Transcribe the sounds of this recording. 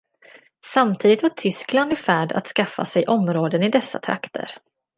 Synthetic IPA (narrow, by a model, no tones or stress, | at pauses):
samt̪ʰiːd̪ɪt̪vaʈʰʏskland̪ɪfæːɖa̰t̪skafːa̰sɛjʔɔmɾoːd̪ənɪd̪ɛsːa̰t̪ʰɾa̰kt̪ʰə̰ɾ